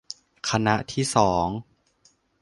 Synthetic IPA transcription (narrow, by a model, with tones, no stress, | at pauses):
kʰa˧na˦˥ʔt̪ʰiː˥˩sɔː˩˦ŋ